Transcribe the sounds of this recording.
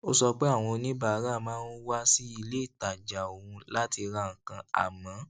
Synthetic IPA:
o˦sɔ˧k͡pe˦a˦˨w̃ɔ̃˧nĩ˦ba˨˦ɾa˦˨mãː˦n˦wa˦si˦i˧le˦i˦˨ta˨d͡ʒa˨o˨ũ˧la˦ti˧ɾã˧˨ŋ̩˨kã˧a̰˨mã˨˦

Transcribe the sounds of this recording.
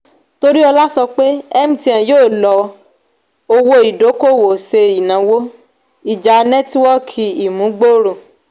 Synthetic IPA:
to˧ɾi˦ɔ˧la˦sɔ˧k͡pe˦ɛ˦m̩̃˦ti˧˦ã˨joː˦˨lɔ˧˦ | o˧wo˧˦i˨do˨˦ko˦˨wo˨se˧i˨nã˨˦wo˦ | i˨d͡ʒa˨˦nɛ˦twɔ˦kʰi˧i˨mũ˨˦ɡ͡bo˦ɾo˦˨

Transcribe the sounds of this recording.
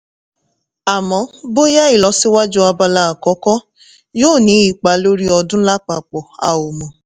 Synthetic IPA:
a˨mɔ̃˨˦bo˦ja˦i˨lɔ˨˧˦si˦wa˦d͡ʒu˦a˧ba˧la˦a˨kɔ˨˦kɔ˦ | joː˦˨nĩ˨˦i˨k͡pa˨˦lo˦ɾi˦ɔ˧dʊ̃˦la˦k͡pa˨k͡pɔ˨a̰˨o˨mɔ̃˨

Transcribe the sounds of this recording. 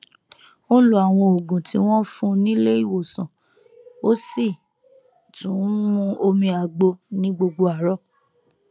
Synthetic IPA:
o˦lo˦a˨w̃ɔ̃˧o˨ɡũ˨tḭ˧˦w̃ɔ̃˦fũ˦nĩ˦le˦i˦˨wo˨sã˨ | o˦si˦˨ | tũ˨˦mũ˧o˧mĩ˧a˨ɡ͡bo˧nĩ˦ɡ͡bo˧ɡ͡bo˧a˨ɾɔ˦˨

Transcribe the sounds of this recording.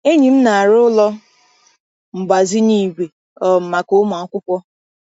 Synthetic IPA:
e˦ɲi˨m̩˦na˨a˨ɾʊ˦lɔ˦ | m̩˨ɡ͡ba˨zi˦niː˦ɡʷe˨ | ɔ˨m̩˨ma˨ko˦ma˨a˦kʷʊ˦kʷɔ˦

